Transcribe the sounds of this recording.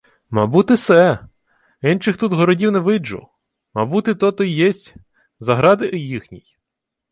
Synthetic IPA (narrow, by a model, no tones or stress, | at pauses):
mɑbut̪ɪsɛ | inʃɪxt̪ut̪ɦɔɾɔdʲiwnɛʋɪd͡ʒʊ̰ | mɑbut̪ɪt̪ɔt̪ɔjjɛsʲtʲ | zɐɦɾɑd̪ɪʔjixnʲḭj